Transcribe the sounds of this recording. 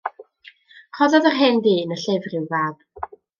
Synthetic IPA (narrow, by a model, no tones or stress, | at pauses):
kʰɔðɔðərɦeːndiːnəɬɪvrɪwvaːb̥